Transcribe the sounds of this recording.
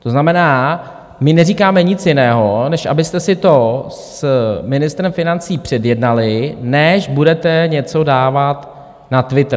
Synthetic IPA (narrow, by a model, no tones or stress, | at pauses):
t̪oznamɛnaː | mɪnɛriːkaːmɛɲɪt͡sjɪnɛːɦo̞nɛʃʔa̰bɪst̪ɛsɪt̪o̞smɪnɪst̪ɾɛmfɪnant͡siːpr̥ɛdjɛdnalɪnɛʃbudɛt̪ɛɲɛt͡so̞daːvat̪ | nat̪vɪt̪ɾ